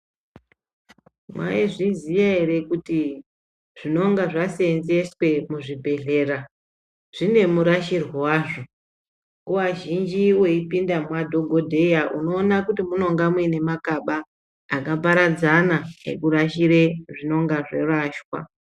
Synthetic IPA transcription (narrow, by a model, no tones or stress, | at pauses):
mwa̰iʐizijaeɾe̞kuti | ʐ̥ino̞ŋɡaʐasenzeswe̞muʐibʱe̞ɮe̞ra | ʐ̥ine̞muɾaʃirwowaːʐo̞ | kowaʒind͡ʒiwe̞ipindamwadʱo̞ɡʱo̞dʱe̞jaʔuno̞ːnakutimuno̞ŋɡamwene̞makaɓaː | kap̬aɾad͡zanaḛkuɾaʃiɾeʐino̞ŋɡaʐe̞̰raʃwa̰